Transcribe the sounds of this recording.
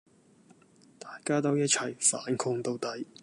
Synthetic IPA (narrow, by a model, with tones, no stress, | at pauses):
t̪aː˨jkaː˥t̪o˥wjɐ˥t̚t͡sʰɐ˨˩jfaː˨˥nkʰʊ˧ŋt̪o˧wt̪ɐ˨˥j